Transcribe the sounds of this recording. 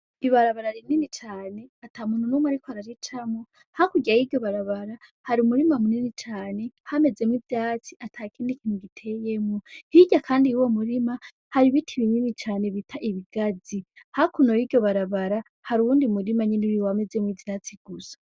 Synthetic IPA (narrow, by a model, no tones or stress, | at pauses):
iβaɾaβaɾaɾininit͡ʃaːne̞atʰaːmuːnhunumwaɾikohaɾaɾit͡ʃamo | hakuɟiajidɟo̞βaɾaβaɾahaɾiumuɾimamuninit͡ʃaːne̞hame̞d͡ze̞mwivjat͡siʔatʰaːkiːndikin̥uɡitʰe̞je̞mŋohiɟakʰaːndijuwomuɾima | haɾiβitʰiβiɲimit͡ʃaːne̞βitʰaʔiβiɡ̥ad͡zi | hakunojidɟo̞βaɾaβaɾa | haɾuβuːndimuɾimaɲeniɾiwame̞d͡zemwivjaːt͡siɡ̥usḁ